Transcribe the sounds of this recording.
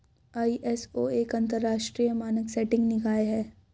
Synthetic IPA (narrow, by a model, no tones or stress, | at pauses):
aːiʔɛsoːeːkɐ̃nt̪əɾːaːʃʈɾiːjəmaːnəksɛːʈɪ̃ŋɡnɪkaːeɦɛː